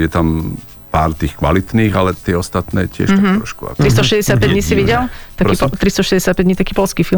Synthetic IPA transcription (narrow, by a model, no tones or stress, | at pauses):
jɛt̪am | paːɾt̪iːxkʋa̰lit̪niːɣalɛt̪ɪɛɔst̪at̪nɛːcɪɛ̰ʃt̪ɾɔʃkua̰t̪ɾist̪ɔʃɛzɟɛsɪat̪̚pɛɲisiʋiɟɛlt̪aɾkiːɔt̪ɾist̪ɔʃɛzɟʲɛsjat̪̚pɛɟɲiːt̪akiːpɔlskiːfilm